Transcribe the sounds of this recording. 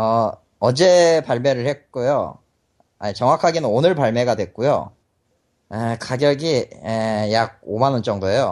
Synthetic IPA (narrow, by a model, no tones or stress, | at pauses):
ʌ | ʌd͡ʑe̞paɭme̞ɾɯɭhe̞t̚k͈ujo̰ | ait͡ɕʌŋwakʰaɡenɯnonɯɭpaɭme̞ɡadwe̞k̚k͈ujo̰ | ekaɡjʌɡiejaɡ̚omanɯnt͡ɕ͈ʌŋdoe̞jo